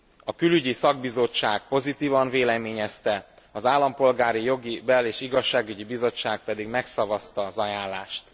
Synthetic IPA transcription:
ɒkylyɟisɒɡbizo̞t͡ʃːaːk̚po̞zit̪iːvɒɱveːlɛmeːɲɛst̪ɛ | ɒzaːlːɒmpo̞lɡaːɾijo̞ɡibɛleːʃiɡɒʃːaːɡyɟibizo̞t͡ʃːaːk̚pɛd̪iɡmɛksɒvɒst̪ɒːzɒjaːnlaːʃt̪

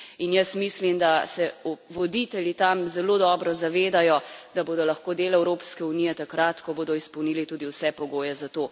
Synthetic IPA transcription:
injəsmislimd̪asɛɔʋɔd̪it̪ɛljit̪amzɛloːd̪ɔːbɾɔzaʋeːd̪ajɔd̪̥aboːd̪ɔlɐxkoːd̪eːlɛwɾoːpskɛunijɛt̪akɾat̪kɔboːd̪ɔispɔwnilit̪ud̪iwsɛpɔɡoːjɛzat̪oː

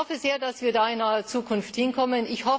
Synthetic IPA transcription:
ɔfəzeːɐdasv̥iːɐdaːɪnaət͡suːkʰʊnfthɪnkʰɔmənɪçhɔ

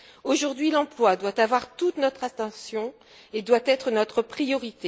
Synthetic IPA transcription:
oʒuʁd̪ɥilɑ̃plwad̪wat̪avwaʁt̪ut̪nɔt̪χat̪ɑ̃sjɔ̃ | ed̪wat̪ɛt̪χənɔt̪χəpχijɔʁit̪e

